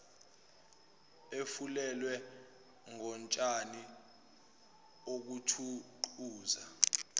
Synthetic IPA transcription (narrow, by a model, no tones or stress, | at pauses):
efulɛlwɛ | ŋɔnt͡ʃʼani | ok̬utʰuǃuːza